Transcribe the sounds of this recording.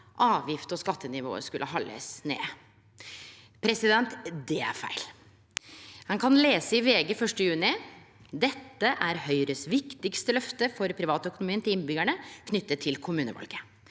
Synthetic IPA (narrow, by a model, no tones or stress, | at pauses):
ʔɑːʋjɪft̪ɔskɑt̪ːənɪʋo̰ːə̰ʂkʉlʔəɦɑlːə̰snḛː | pʰɾɛsɪd̪ɛnt̪d̪ɛæ̰ɾfæ̰ɪl | hɑŋkʰɑnleːsəɪʋeːɡəfœʂʈəjʉːnɪ | d̪ɛt̪ːəʔæɾhœʏɾəsʋɪkt̪ɪkst̪əlœft̪əfɔɾpʰɾɪʋɑːt̪əœkʊnʊmiːənt̪ʰɪlɪnbʏɡæɳəkʰnʏt̪ːət̪ʰːɪlkʰʊmʉːnə̰ʋɑ̰lɡə